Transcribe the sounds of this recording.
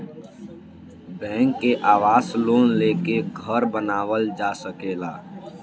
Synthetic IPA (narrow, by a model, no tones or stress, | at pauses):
bɛ̃ːŋkːeʔaːʋaːsloːnleːkeɡʱəɾbənaːwəld͡ʒaːsəkeːlaː